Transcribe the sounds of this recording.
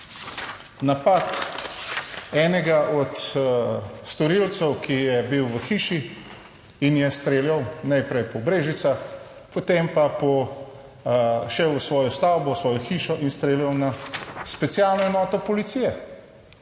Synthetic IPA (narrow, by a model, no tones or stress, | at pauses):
napat̪ | ɛːnɛɡaʔɔt̪ | st̪ɔɾilt̪sɛwkʰijɛbiwʋəxiːʃi | injɛst̪ɾeːljawnajpɾɛjpɔbɾeːʒit̪sax | pɔt̪empapɔ | ʃɛwsʋɔːjɔst̪awbɔsʋɔːjɔxiːʃɔʔinst̪ɾeːljawnaspɛt̪sijaːlnɔɛnɔːt̪ɔpɔlit̪siːjɛ